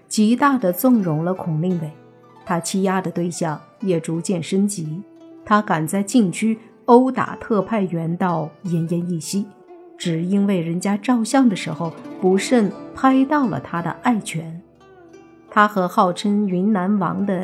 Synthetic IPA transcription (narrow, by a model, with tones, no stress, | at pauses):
t͡ɕi˧˥t̪a˥˩d̪ə˩t͡sʊ˥˩ŋɻʊ˧˥ŋlə˧kʰʊ˨˩ŋli˥˩ŋwe˥˩ɪ | t̪ʰa˥t͡ɕʰi˥ja˥d̪ə˨t̪we˥˧ɪɕjɑ˥˩ŋ | jɛ˨˩ʈ͡ʂu˧˥t͡ɕjɛ˥˩nʂə˥nt͡ɕi˧˥t̪ʰa˥ka˨˩nt͡sa˥˧ɪt͡ɕi˥˩nt͡ɕʰy˥ | o˥ʊt̪a̰˨˩t̪ʰɤ˥˧pʰa˥˩ɪɥɛ˧˥nt̪ɑ˥˩ʊjɛ˧˥njɛ˧˥ni˥˩ɕi˥ | ʈ͡ʂɻ̩˨˩i˥nwe˥˩ɪɻə˧˥nt͡ɕja˥ʈ͡ʂɑ˥˧ʊɕjɑ˥˩ŋd̪ə˩ʂɻ̩˧˥xo˧ʊpu˧˥ʂə˥˩npʰa˥ɪt̪ɑ˥˩ʊlə̰˩t̪ʰa˥d̪ə̰˨˩ʔa˥˩ɪt͡ɕʰɥɛ˧˥n | t̪ʰa˥xɤ˧˥xɑ˥˩ʊʈ͡ʂʰə˥ny˧˥nna˧˥nwɑ̰˧˥ŋd̪ə˧